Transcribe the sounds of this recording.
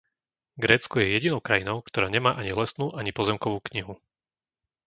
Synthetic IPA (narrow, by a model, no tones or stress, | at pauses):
ɡɾɛːt͡skɔjɛjɛɟinɔʊkɾajinɔʊkt̪ɔɾaːɲɛmaːʔaɲiɦlɛsnuːʔaɲipɔzɛmkɔʋuːkɲiɦu